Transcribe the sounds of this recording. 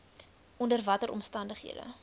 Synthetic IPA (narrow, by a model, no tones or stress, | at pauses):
ʔɔndərvɐtəɾʔɔ̰mstɐndəχɦḭədə̰